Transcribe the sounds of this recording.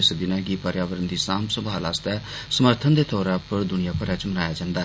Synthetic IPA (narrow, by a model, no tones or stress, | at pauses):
ɪsd̪ɪnɛ̃ːɡiːpəɾjaːʋəɾənd̪iːsaːmsəbʱaːlaːst̪ɛːsəməɾt̪ʰənd̪eːt̪ʰɔːɾaːpəɾd̪ʊnɪjaːpəɾɛːt͡ʃmənaːjaːd͡ʒãːnd̪aː